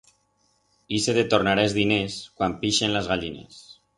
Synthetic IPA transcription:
iseðet̪oɾnaɾaezðineskwampiʃenlezɣaʎinḛs

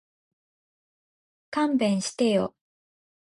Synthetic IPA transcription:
kãmbẽɰ̃ɕi̥t̪ejo

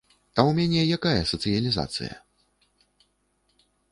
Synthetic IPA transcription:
ɐwmʲanʲɛjakajɐsɐt̪sɨjɐlʲiza̰t̪sɨ̰jɐ̰

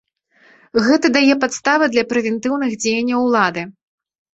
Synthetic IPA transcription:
ɣɛt̪ɐd̪ajɛpat̪st̪avɨd̪lʲɐpɾɛvʲɛnt̪ɨwnɨɣd͡zʲejɐnʲːɐwlˠad̪ɨ

